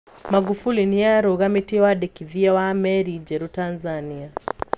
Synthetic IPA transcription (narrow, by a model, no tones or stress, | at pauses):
maɡufuliniaɾuɣamitiwaɗɛkiðiawaːmɛɾid͡ʒɛɾutanzania